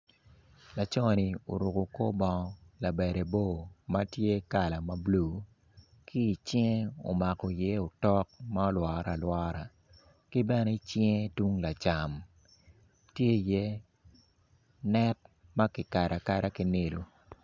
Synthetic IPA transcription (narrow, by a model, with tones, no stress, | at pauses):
la˨t͡ʃɔ˦˨ni˨o̰˨ɾu˨ko˨ko˦bɔ˨ŋ˦la˨bɛ˨ɾe˨bo˦˨ma˦tje˦ka˨la˨ma˦blu˨ | kʰi˦i˨t͡ʃi˦ŋe˦o̰˨ma˨kɔ˨je˦o˨tɔ˦k̚ma˦o˦lwɔː˨˦ɾa˨lwɔː˦ɾa˨ | ki˦bɛ˦ne˦t͡ʃi˦ŋe˦tu˦ŋla˨t͡ʃa˨m | tje˦˨je˦ | nɛ˦t̚ | ma˦kɪ˨ka˨ɾa˨ka˨ɾa˦ki˦ne˦˨lu˦